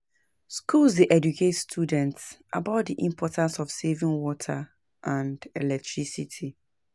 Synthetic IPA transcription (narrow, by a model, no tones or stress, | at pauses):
skʰulzdeʔɛd͡ʒukʰetstʰjudɛ̃ntsʔa̰baʊt̚diʔĩmpʰɔtʰãnsɔfsevĩŋwɔtʰa | ʔãndɛlɛk̚tʰɹisitʰi